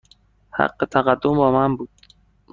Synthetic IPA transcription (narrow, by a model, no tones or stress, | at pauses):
ha̰qːet̪ʰaɣad̪ːombɒːmambuːd̪̥̚